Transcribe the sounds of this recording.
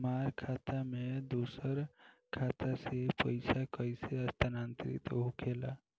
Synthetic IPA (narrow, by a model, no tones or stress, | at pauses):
maɾkʰat̪amed̪osəɾkʰat̪asepəɪsakəjseəst̪ʰanant̪ɾḭt̪ɦukʰela